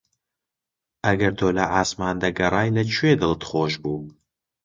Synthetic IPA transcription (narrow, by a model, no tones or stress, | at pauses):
ɐɡɐɾd̪oːlɐʔaːsmaːnd̪ɐɡɐrˤɑːjlɐt͡ʃʰwed̪ɨlt̪χoːʃbuː